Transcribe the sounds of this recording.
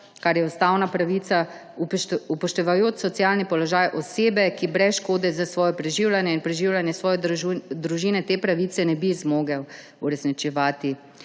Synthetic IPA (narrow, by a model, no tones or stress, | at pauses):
kaɾjɛust̪awnapɾaʋiːt̪sa | upɔʃt̪ɛʋajoːt͡ʃsɔt̪sijaːlnipɔlɔʒaːjʔɔseːbɛkibɾɛsʃkoːd̪ɛzasʋɔːjɔpɾɛʒiːwlʲanjɛinpɾɛʒiːwlʲanjɛsʋɔːjɔd̪ɾuʒiːnɛt̪eːpɾaʋit̪sɛnɛbizmoːɡɛ | uɾɛsnit͡ʃɛʋaːt̪i